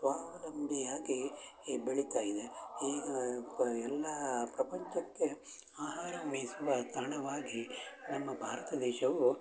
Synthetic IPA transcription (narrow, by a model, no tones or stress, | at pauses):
sʋaːʋɐlɐmbʱijaːɡibeɭit̪aːjid̪eiːɡɐɛlːɐpɾɐpɐɲt͡ʃɐkːe | aːɦaːɾɐmʋesuʋɐt̪ɐɳɐʋaːɡinɐmːɐbʱaːɾɐt̪ɐd̪ɛːʃɐʋu